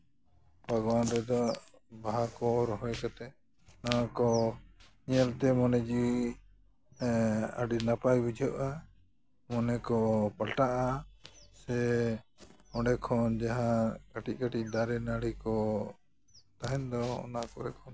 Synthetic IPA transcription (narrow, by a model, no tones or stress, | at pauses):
bʱaɡɔwanɾɛd̪ɔbaɦakɔɾɔɦɔɛkat̪ɛ | naakɔ | ɲɛlt̪ɛmɔnɛd͡ʒi | a̰ɖinapajbid͡ʒʱɔʔa | mɔnɛkɔpalʈaʔasɛ | ɔɖɛkʰɔnd͡ʒaɦakaʈic̚kaʈic̚d̪aɾɛnaɽikɔ | t̪aɦɛnd̪ɔɔ̰naʔkɔɾɛkʰɔn